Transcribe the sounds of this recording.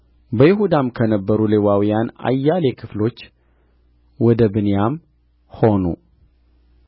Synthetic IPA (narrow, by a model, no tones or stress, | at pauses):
bəjɪɦud̪amkʰənəbːəɾulewawijana̰jːalekʰɨflo̞t͡ʃː | wɔd̪əbɨnjam | ho̞nṵ